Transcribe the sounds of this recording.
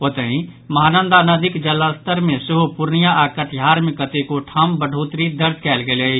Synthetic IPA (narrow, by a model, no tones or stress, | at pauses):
pot̪əɦĩ | mɐɦaːnə̃nd̪anəd̪ɪkd͡ʒɐlast̪əɾmẽsʊɦopʊɾnijaʔaːkəʈʰjaːɾmɪkət̪ekoʈʰambəɖʱoːt̪ɾid̪əɾd͡ʒkɛːlɡele